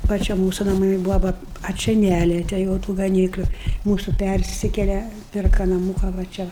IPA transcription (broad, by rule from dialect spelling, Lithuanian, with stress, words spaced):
ʋɐ ˈt͡ʃʲɛ ˈmuːsʊ nɐˈmɐɪ ˈbʊʋoː ˈʋɐ ɐ ˈt͡ʃʲɛ ˈnʲælʲiɛtʲɛ jɛʊ ˈtuː ɡɐˈnʲiːklʲʊ ˈmuːsʊ ˈpʲærʲsʲɪkʲɛlʲɛ ˈpʲɪrkɐ nɐˈmuːkɐ ʋɐ ˈt͡ʃʲɛ